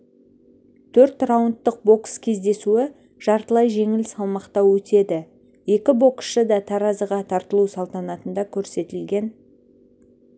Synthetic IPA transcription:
t̪ʰɵɾt̪rawənt̪ːəq̚bo̞kskʲʰe̞zd̪e̞suɪ | ʒ̥ɑɾt̪əlˠɑjʒe̞ŋɪlsɑlˠmɑqt̪ɑwɵt̪e̞d̪ɪ | je̞kʲɪbo̞ksʃəd̪ɑt̪ʰɑɾɑzəʁɑt̪ʰɑɾt̪əlˠusɑlˠt̪ɑnɑt̪ənd̪ɑkʲʰɵɾse̞t̪ɪlɡʲe̞n

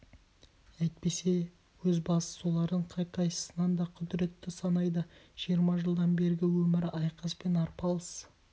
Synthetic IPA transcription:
æjt̪̚pe̞se̞ | wɵzbɑsə̥solˠɑɾəɴqʰɑjqʰɑjsə̥sənɑnd̪ɑqʰʏd̪ɾe̞t̪ːɪsɑnɑjd̪əʒ̥ijəɾmɑʒəlˠd̪ɑnbe̞ɾɪɡʲɪwɵmɪɾɑjqɑspe̞nɑɾpɑlˠəs

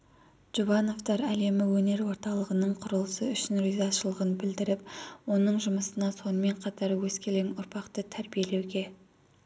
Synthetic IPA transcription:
ʒ̥uvɑno̞vt̪ɑɾæle̞mɪwɵne̞ɾwo̞ɾt̪ɑlˠəʁənəɴqʰʊɾəlˠəsə̰ʏʃɪnɾʏjzɑʃəlˠəʁənbɪld̪ɪɾɪp̚wo̞nəɴʒʊməsənɑso̞nəme̞ɴqʰɑt̪ɑɾwɵzkʲe̞leŋʊɾpʰɑqt̪ət̪ʰæɾbije̞le̞wɡʲe̞

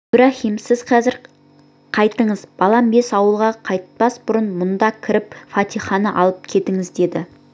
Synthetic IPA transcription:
b̥ɪɾæχimsɪzqʰɑzɪɾ | qʰɑjt̪əɴəzb̥ɑlˠɑmbe̞sɑwəlˠʁɑqʰɑjt̪̚pɑsbʊɾənmʊnd̪ɑkʲʰɪɾɪp̚fɑt̪ijχɑnəʔɑlˠəp̚kʲʰe̞t̪ɪŋɪzd̪e̞d̪ɪ

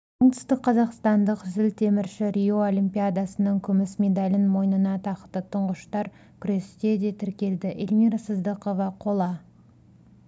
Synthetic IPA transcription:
oɴt̪ʏ̥st̪əq̚qʰːɑzɑqst̪ɑnd̪əqzɪlt̪ʰe̞mɪɾʃɪɾʲijoolʲimpʲijad̪ɑsənəŋkʲʰʏmɪsmʲe̞d̪alʲɪnmo̞jnənɑt̪ʰɑqət̪ːət̪ʰʊɴʁəʃt̪ɑɾ | kʲʰʏɾe̞st̪e̞d̪e̞t̪ʰɪɾkʲe̞ld̪ɪʔelʲmiɾasəzd̪əqo̞vɑqʰo̞lˠɑ

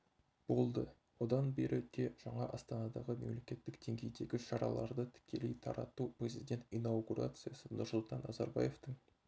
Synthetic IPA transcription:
b̥o̞lˠd̪ə | wo̞d̪ɑnbe̞ɾʔɪt̪ʰe̞ʒ̥ɑɴɑʔɑst̪ɑnɑd̪ɑʁəme̞mle̞kʲe̞t̪ːɪk̚d̪e̞ŋɡʲe̞jd̪e̞ɡʲɪʃɑɾɑlˠɑɾd̪ət̪ʰɪ̥kʲʰe̞lejt̪ʰɑɾɑt̪uprʲe̞zid̪ʲe̞nt̪inɑwɡuɾa̰t̪sɨjɑsənʊɾsʊlˠt̪ɑnːʔɑzɑɾbɑ̰je̞ft̪əŋ

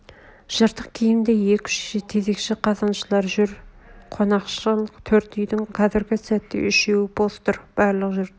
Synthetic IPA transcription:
ʒ̥əɾt̪əqkʲʰejɪnd̪e̞jekʲʏ̥ʃʃt̪ʰe̞ze̞kʃɪqʰɑzɑnʃəlˠɑɾʒʏɾqʰo̞nɑqʃəlˠt̪ʰɵɾt̪ʏjd̪ɪŋqʰɑzɪɾɡʲɪsæt̪ːḛʔʏʃewɪbost̪ʊɾb̥ɑɾlˠəqʒʏɾ

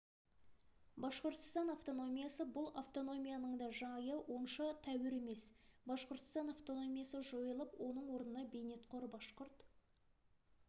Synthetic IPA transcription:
bɑsqʊɾt̪ə̥st̪ɑnaft̪o̞no̞mʲijasəbʊlˠaft̪o̞no̞mʲijanəɴd̪ɑʒɑjəwonʃɑt̪ʰæwɪɾe̞me̞sbɑsqəɾt̪ə̥st̪ɑnaft̪o̞no̞mʲijasəʒo̞jəlˠəpwo̞nəɴwo̞ɾnənɑbe̞jne̞t̪qʰoɾbɑsqʊɾt̪

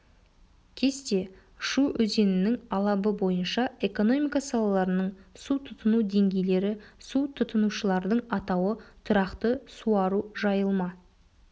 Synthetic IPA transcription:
kʲʰe̞st̪e̞ | ʃuʔɵze̞nɪnɪŋɑlˠɑbəbo̞jənʃɑe̞ko̞no̞mijkasɑlˠɑlˠɑɾənəɴsut̪ʰʊt̪ʰənud̪e̞ŋɡʲe̞jle̞ɾɪsut̪ʰʊt̪ənuʃəlˠɑɾd̪əɴɑt̪ɑwət̪ʰʊɾɑqt̪əsuɑɾuʒɑjəlˠmɑ

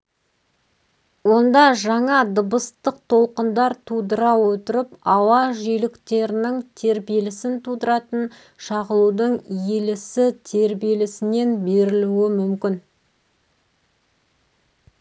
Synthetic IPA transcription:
wo̞nd̪ɑʒɑɴɑd̪əbəst̪əq̚t̪ʰo̞lˠqənd̪ɑɾt̪ʰud̪əɾɑwɵt̪əɾɪpɑwɑʒijlɪkt̪e̞ɾɪnɪŋt̪ʰe̞ɾbije̞lɪsɪnt̪ʰud̪əɾɑt̪ən | ʃɑʁəlˠud̪əɴjelɪsɪt̪ʰe̞ɾbijelɪsɪne̞nbe̞ɾɪluɪmʏmkʲɪn

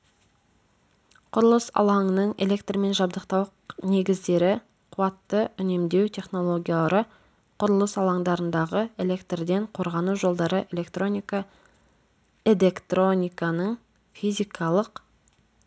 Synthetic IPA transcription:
qʰʊɾəlˠəsɑ̰lˠɑŋənəɴe̞̰le̞kt̪rme̞nʒɑbd̪əqt̪ɑw | ne̞ɡʲɪzd̪e̞ɾɪ | qʰuɑt̪ːəʏne̞md̪e̞wt̪ʰe̞χno̞lˠo̞ɡʲijaɾə | qʰʊɾəlˠəsɑlˠɑŋd̪ɑɾənd̪ɑʁəe̞le̞kt̪rd̪e̞ɴqʰo̞ɾʁɑnuʒo̞lˠd̪ɑɾəʔe̞le̞kt̪ro̞nʲikɑ | e̞le̞kt̪ro̞nʲijkɑnəɴ | fijzʲijkʰɑlˠəq

